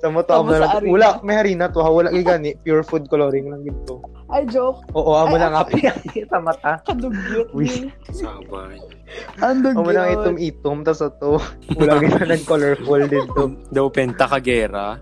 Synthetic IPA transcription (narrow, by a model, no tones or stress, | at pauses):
sɐmot̪oʔɐmonɐlɐulaʔmɐjhɐɾiːnɐt̪ohawɐlaʔɡɪɡanɛpjuɹfud̪̚koloɾɪŋlɐŋɡɪnt̪o | ʔɐjd͡ʒoʔoːʔoʔɐonɐŋapɪɐɛsɐmɐt̪ad̪ʊɡ | aba | ɐnd̪ʊɡʔɐmonɐŋʔɛt̪omiːt̪omt̪ɐsɐt̪ouːlaɡɪnɐnɐɡ̚kolɛɹfold̪ɪnt̪od̪ɐwpɛnt̪ɐkɐɡɛːɾa